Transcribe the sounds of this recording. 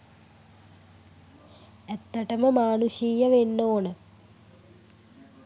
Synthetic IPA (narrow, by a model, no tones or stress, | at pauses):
et̪ːɐʈɐməmaːnuʃiːjɐʋenːoːnə